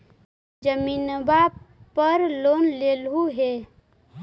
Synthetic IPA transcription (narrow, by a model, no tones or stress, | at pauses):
d͡ʒəminəbapəɾloːnlelɦuɦe